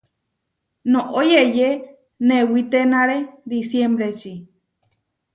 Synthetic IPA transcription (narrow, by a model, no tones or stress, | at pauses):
nõʔojeje | nẽwit̪enãɾed̪isjembɾet͡ʃi